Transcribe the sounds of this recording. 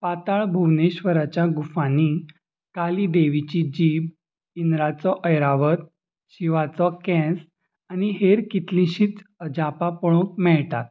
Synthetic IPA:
pat̪aɭbʱuʋneɕʋəɾat͡ɕjaɡufani | kalid̪eʋit͡ɕid͡ʑib | inɾat͡sɔʔəjɾaʋət̪̚ | ɕiʋat͡sɔkɛ̃s | añiɦeɾkit̪lĩɕiːt͡səd͡ʑapapɔɭõkmɛɭt̪at̪̚

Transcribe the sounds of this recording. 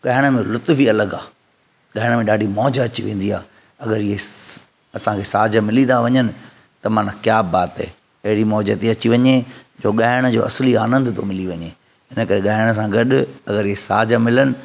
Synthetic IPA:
ɠaːɦɪɽ̃ə̆mẽlʊt̪fiɐləɡaː | ɠaɦɪɽ̃mẽɗaːɖʱimɔːd͡ʑəɐt͡ɕiʋẽːn̆d̪ia̰ː | ɐɡəɾɪɦe | ɐsãkʰesaːd͡ʑəmɪlit̪aʋɐɲənɪ̆ | t̪ɐmaːnãkjaːbaːt̪ɦḛː | ɐɦɪɽimɔːd͡ʑət̪eɐt͡ɕiʋɐɲed͡ʑoːɠaːɦɪɽ̃ə̆d͡ʑoːɐsliaːnə̃nd̪t̪ʰomɪliʋɐɲe | ɦɪnəkɐɾeɠaːɪɽ̃ə̆s̬ãɡɐɗʊɐɡəɾɪɦesaːd͡ʑəmɪlənɪ̆

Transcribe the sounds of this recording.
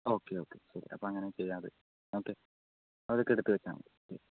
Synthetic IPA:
o̞ːkːeoːkːḛsɐɾḭʔɐ̰pːoːɐŋːɐnet͡ɕejːaːðɨ̰ | oːkːe | ɐʋɐðokːeɽut̪ːɨʋet͡ɕːa̰ːŋɐ̰oːkːḛ

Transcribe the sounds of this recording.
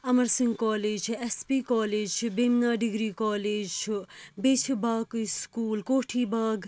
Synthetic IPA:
ɐmɐɾsiŋɡkaːleːd͡ʒʰespikɔːleːd͡ʒt͡ʃʰbemnaːɖiɡɾiːkaːleːd͡ʒt͡ʃʰbeːt͡ʃʰibaːkskuːlkoːʈʰiːbaːɡ

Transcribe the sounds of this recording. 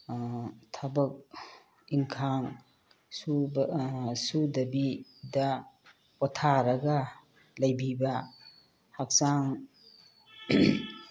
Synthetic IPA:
tʰabɐk̚ | iŋkʰaŋ | su | sudɐbidɐ | pɔtʰaɾɐɡɐ | lɐjbibɐ | hak̚saŋ

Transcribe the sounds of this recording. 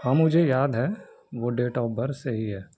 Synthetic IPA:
ɦɐmːʊd͡ʒʱejaːd̪ɦɛ | ʋoːɖeːʈɔːbɐɾseɦiɦɛː

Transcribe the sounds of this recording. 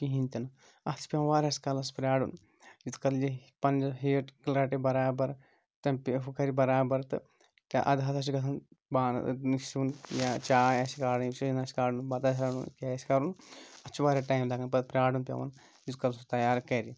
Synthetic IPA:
kiɦint̪ʲɐn | ɐt̪ʰi̥pʲɐʋɐnʋaːɾʲɐskɐlɐspɾʲaːɖun | jit̪kɐld͡ʒipɐnd͡ʒɦeːʈkilɾaːʈebɐɾaːbɐɾ | t̪ɐmpiɦukɐɾibɐɾaːbɐɾt̪ɨ̰ | t̪aʔɐ̰d̪ɦɐt̪ɐs̬iɡɐt̪ʰɐnbaːn̰niʃunjat͡ʃaːjɐsikaːɽɐnʃiinɐsi̥kaːɽunbɐt̪as̬ʲɾaːɽṵnkeːsi̥kaɾunɐt͡ʃʰuʋaːɾʲaːʈaːjmd̪aːɡɐnpɐpɾʲaːɽunpʲɐ̰ʋɐ̰n | d͡ʒit̪kɐlsut̪ɐjaːɾkɐɾi

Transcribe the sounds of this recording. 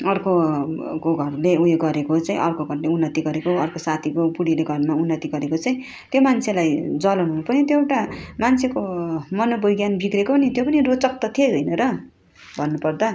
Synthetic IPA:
ʌrkokoɡʱʌrleueɡʌɾekot͡saĩʔʌrkoɡʱʌrleunːʌt̪iɡʌɾekoʌrkosat̪ʰikopuɽileɡʱʌrmaunːʌt̪iɡʌɾekot͡saĩ | t̪jomant͡sʰelajd͡zʌlʌnɦunupʌnit̪joʈamant͡sʰekomʌnobʌjɡjanbiɡɾekonit̪jopʌnirot͡sʌk̚t̪ʌt̪ʰieʌjnʌɾʌ | bʱʌnːupʌrd̪a

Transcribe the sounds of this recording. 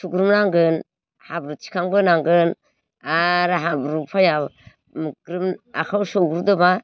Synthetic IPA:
suɡɾɯmnaŋɡɯn | habɾut͡ʃi̥kʰaŋbɯnaŋɡɯn | aɾɦabɾupʰaja | mɡɾɯmakʰawsɔɡɾudɯba

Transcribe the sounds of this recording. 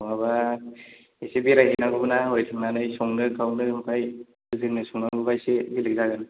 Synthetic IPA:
aβa | esebiɾaɦinaɡɯbɯnaɦojtʰɯmanɯjsɔŋnɯkʰawnɯɾɯmpʰaj | ɯzɯnɯsɔŋnaŋɡubajsebilɯɡ̚zaɡɯn

